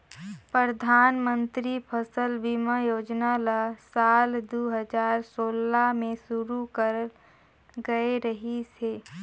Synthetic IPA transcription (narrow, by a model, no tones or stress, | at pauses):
pɾəɾd̪ʱaːnmə̃nt̪ɾipʰəsəlbiməjoːd͡ʒnalasaːld̪oɦəd͡ʒaːɾsoːlamẽsuɾukəɾ | ɡəeɾəɦiseː